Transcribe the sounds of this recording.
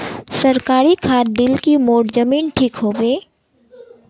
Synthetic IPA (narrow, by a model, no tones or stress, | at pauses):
sɐɾkaːɾikʰaːɾd̪ɪlkimoːʈd͡ʒɐmiːnʈʰiːkɦoːbeː